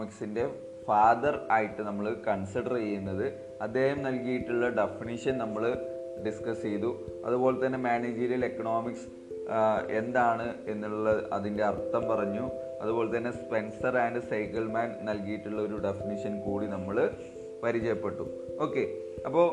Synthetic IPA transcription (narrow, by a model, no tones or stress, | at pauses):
miksinde̞ | faːðɐraːjiʈːɨnɐmːɐɭkɐɳsiɽɐrt͡ɕejːunːɐðɨ | ɐd̪ːe̞ːhɐmnɐlkijiʈːuɭːɐɖefiniʂɐnnɐmːɐɭ | ɖiskɐsejðuɐ̰ðubo̞ːle̞t̪ːɐnːe̞maːnid͡ʑiːɾjɐle̞kːɐɳo̞ːmiks | e̞nd̪aːɳɨe̞nːuɭuɭːɐɐ̰ðinde̞ɐrt̪ːɐmpɐrɐɲːu | ɐðubo̞ːle̞t̪ːɐnːe̞spe̞nsɐraːɳɖɨsɐjkɐlmaːnnɐlkijiʈːuɭːɐo̞ɾuɖe̞finiʂɐnkuːɽinɐmːɐɭ | pɐɾit͡ɕɐjɐpːe̞ʈːu | o̞ːkːe̞ | ɐpːo̞ː